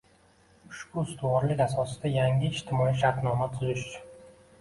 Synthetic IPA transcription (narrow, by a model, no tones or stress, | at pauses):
ʃbʊɪst̪ʰɪwɒɾlɪkʲasɒsɪd̪ajaŋʲɪɪd͡ʒt̪ʰɪmɒiʃ̬aɾt̪nɒmat̪ʰʊzɪʃt͡ʃʰʊn